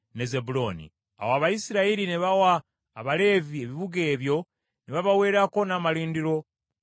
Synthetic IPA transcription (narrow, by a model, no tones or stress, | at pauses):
ne̞zebulo̞nḭ | a̰waːβajisiɾaiɾineβawaː | βale̞ːvie̞βiβuɡe̞ːβjo̞ | neβaβawe̞ːɾako̞naːmaliːndiɾo̞